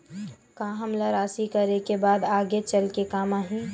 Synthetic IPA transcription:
kaɦəmlaɾaːsikəɾekebaːd̪aːɡet͡ʃəlkekaːmaːɦĩ

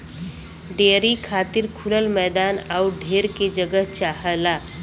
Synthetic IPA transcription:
ɖeːɾikʰaːt̪ɪɾkʰʊləlmɛːd̪aːnaʊɖʱeːɾked͡ʒəɡəɦt͡ʃaːɦəlaː

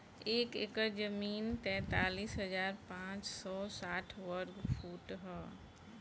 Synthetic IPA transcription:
eːkɪkəd͡ʒəmiːnt̪ɛ̃ːt̪aːliːsɦɐzaːɾpãːt͡ʃsɔːsaːʈʰʋəɾɡfʰuːʈɦɛː

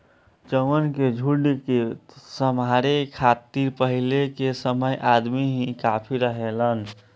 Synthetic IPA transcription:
t͡ʃəwənked͡ʒʱuɖikesəmaɾekʰat̪iɾpəɦilekesəməjʔad̪miɦĩkapʰiɾəɦelən

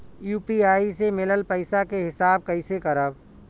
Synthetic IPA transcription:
juːpiaːisemɪləlpəɪsakeɦɪsaːb̚kəɪsekəɾəb

